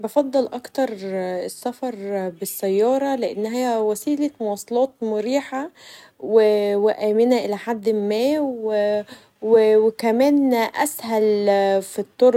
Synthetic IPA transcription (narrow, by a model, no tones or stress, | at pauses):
bɑfɑd̪ˤːɑlʔɑkt̪ɑɾˤesːæfɑɾˤbɪsːæjːɑːɾˤɑleʔenːɦæjːæwæsiːlæmowɑːsˤɑlɑːt̪̚mʊɾiːħa | weweʔæːmenæʔelæħad̪ːmːæːw | wewekæmæːnʔæ̰shælfit̪ˤːoɾ